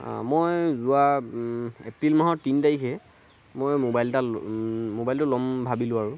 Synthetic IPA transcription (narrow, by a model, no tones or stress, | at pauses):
mojzua | epɹilmaɦɔtintaɹikʰɛ | mojmobajltamobajltʊlɔmbʱabilʊ̃aɹʊ